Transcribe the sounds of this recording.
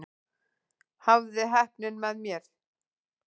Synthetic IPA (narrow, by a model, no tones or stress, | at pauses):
havðɪɦɛhpnʏnmɛðmjɛɾ̥